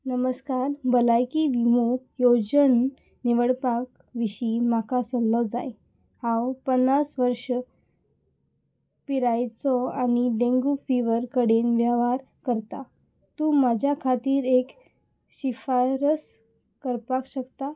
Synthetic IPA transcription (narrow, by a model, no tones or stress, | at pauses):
nəməskaɾbəlajkiʋimukjod͡ʑən | niʋəɽpak | ʋiɕimakasəlːəd͡za̰j | hãwpənːasʋəɾʂə | piɾajt͡sɔañiɖẽŋɡufiʋəɾkəɽenʋjaʋaɾ | kəɾt̪a | t̪uːmad͡ʑʱjakʰat̪iːɾek | ɕifaɾəs | kəɾpakɕəkt̪a